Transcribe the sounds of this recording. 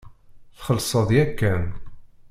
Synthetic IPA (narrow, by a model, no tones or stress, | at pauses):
θχəlsˤəðˤjækːæn